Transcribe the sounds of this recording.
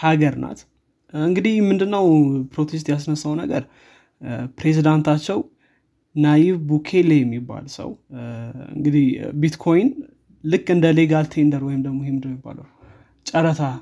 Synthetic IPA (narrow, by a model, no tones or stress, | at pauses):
haɡəɾnʔa̰t̪ | ɨŋɡɨd̪ihmɨnd̪ɨnːəwpɾo̞t̪ʰe̞s̬t̪jasnəsːawnə̰ɡəɾ | pɾe̞zid̪ant̪ʰat͡ʃːɛw | najiβbukʰe̞lejɛmːibːa̰lsə̰w | ɨ̰ŋɡɨd̪ihbit̪kʰo̞jn | lɨkːɨnd̪əle̞ɡalt̪ʰe̞nd̪əɾwɔjɪmd̪əɡmo̞jɛmd̪əjmːibːa̰ləw | t͡ʃʼəɾət̪ʰa